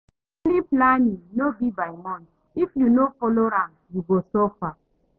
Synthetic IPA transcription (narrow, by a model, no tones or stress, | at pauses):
liplanĩŋnobibaɪmɔ̃n | ifjunofɔloɾãm | juɡosofa